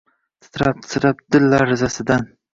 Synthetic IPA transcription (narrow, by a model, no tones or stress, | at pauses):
t̪ʰɪ̥t̪ʰɾap̚t̪ʰɪ̥t̪ɾap̚d̪̥ɪlːaɾɪzasɪd̪an